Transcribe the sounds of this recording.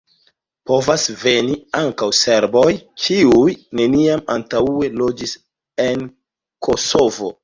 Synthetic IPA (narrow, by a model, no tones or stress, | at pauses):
po̞vasve̞niaŋkawse̞ɾbo̞jkiujne̞niamantaue̞lo̞d͡ʒis | e̞n | kʰo̞so̞vo̞̰